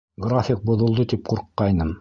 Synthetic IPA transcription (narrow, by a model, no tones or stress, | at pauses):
ɡrafʲɪk̚bŏðŏlˠd̪ɤt̪ip̚quɾqːɑjnɤm